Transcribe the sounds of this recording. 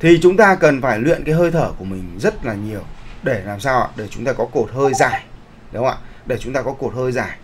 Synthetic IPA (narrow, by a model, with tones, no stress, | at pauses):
t̪ʰi˨˩t͡ɕʊ˨˦ŋ͡mt̪aː˧kə˨˩nfaː˧˩jlwḭ˧˨ənkaː˨˦jɦəː˧jt̪ʰəː˧˩ku˧˩əmï˨˩ŋ̟zə˦˥t̚laː˨˩ɲi˨˩əwɗe˧˩laː˨˩msaː˧wʔa̰ː˧˨˩ɗe˧˩t͡ɕʊ˨˦ŋ͡mt̪aː˧kɔ˨˦ko˨˩t̚həː˧jzaː˧˩j | ɗə˨˦ŋ͡ma̰ː˧˨˩ɗe˧˩t͡ɕʊ˨˦ŋ͡mt̪aː˧kɔ˨˦ko˨˩t̚həː˧jzaː˨˧˩j